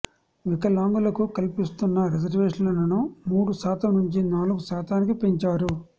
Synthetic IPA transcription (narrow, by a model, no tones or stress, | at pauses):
ʋikɐlaːŋɡulɐkukɐlpist̪unːɐɾid͡ʒɐɾʋeːʂɐnlɐnɐnumuːɽusaːt̪ɐmnuɲt͡ʃinaːluɡusaːt̪aːnikipiɲt͡ʃaːɾu